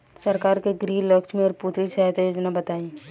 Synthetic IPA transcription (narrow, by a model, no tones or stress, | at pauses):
sɐɾkaːɾkeɡɾiːlɐkʃmẽɔːɾput̪ɾisaɦat̪ajoːd͡ʒnabɐt̪aːĩː